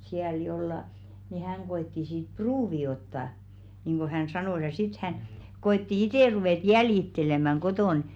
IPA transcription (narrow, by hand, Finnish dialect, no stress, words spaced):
siæl jolːɑ ni hæŋ ɡ̊oetːi siːt pruːʋi otːɑ niːŋɡ̊o hæn sɑnoˑs jɑ sit hæn koetːi iteˑ ruʋeˑt jæljitːelemæŋ ɡ̊otoˑn